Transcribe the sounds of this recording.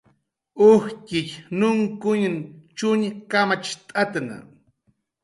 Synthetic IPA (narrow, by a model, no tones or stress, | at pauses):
ʊhkɪʎnʊŋkʊɲnt͡ʃʊɲkamat͡ʃt̪ʼat̪na̰